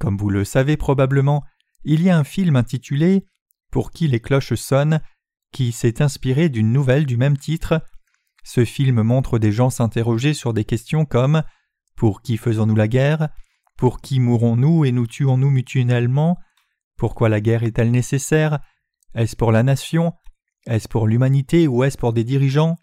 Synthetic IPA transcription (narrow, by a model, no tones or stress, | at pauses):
kɔmvuləsavepχɔbabləmɑ̃ | iliaɛ̃filmɛ̃t̪it̪ʰyle | puʁkʲileklɔʃsɔn | kʲisɛt̪ɛ̃spiʁed̪ynːuvɛld̪ymɛmt̪ʰit̪χ | səfilmmɔ̃t̪χəd̪eʒɑ̃sɛ̃t̪eʁɔʒesyʁd̪ekʲɛst̪jɔ̃kɔm | puʁkʲifəzɔ̃nulaɡʲɛʁ | puʁkʲimuʁɔ̃nuenut̪ʰyɔ̃numyt̪ɥɛlmɑ̃ | puʁkwalaɡʲɛʁɛt̪ɛlnesesɛʁ | ɛspuʁlanasjɔ̃ | ɛspuʁlymanit̪euɛspuʁd̪ed̪iʁiʒɑ̃